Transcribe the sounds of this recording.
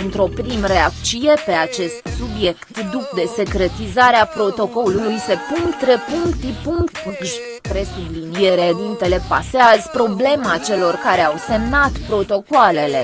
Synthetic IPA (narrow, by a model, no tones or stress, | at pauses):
ɨnt̪ɾo̞pɾimɾeak̪t͡ʃije̞pe̞at͡ʃe̞st̪subje̞kt̪d̪uk̚d̪e̞se̞kɾe̞t̪izaɾeapɾo̞t̪o̞ko̞lulujse̞puŋkt̪ɾepuŋkt̪ipuŋkt̪uɡʒ | p̪ɾe̞sublinie̞ɾed̪int̪e̞le̞pa̰seazpɾo̞ble̞mat͡ʃe̞lo̞rkaɾe̞awse̞mnat̪pɾo̞t̪o̞koale̞le̞